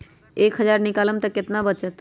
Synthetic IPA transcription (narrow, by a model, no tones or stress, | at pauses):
ekɦəd͡ʒaɾnikaləmt̪əkjət̪nabət͡ʃət̪